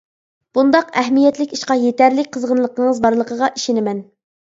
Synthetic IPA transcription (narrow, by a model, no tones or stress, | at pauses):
b̥und̪ɑqɛɦmijɛt̪lɪkʲiʃqɑjet̪æɾlɪkʲqʰəzʁənlˠəqʰəɴəzbɑɾlˠəqəʁɑʔiʃɪnɪmɛn